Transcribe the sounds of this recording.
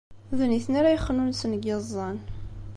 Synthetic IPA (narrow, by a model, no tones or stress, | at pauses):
ðniθnaɾajəχːnunsənəɡezˤːɑn